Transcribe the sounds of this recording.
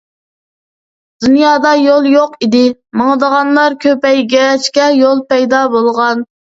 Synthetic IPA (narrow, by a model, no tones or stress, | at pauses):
d̪̥unjɑːd̪ɑjolˠjoqid̪ɪməŋəd̪əʁɑnlˠɑɾkʲʰøpɛjɡʲɛɾɛt͡ʃkʲɛjolˠpɛjd̪ɑbolˠʁɑn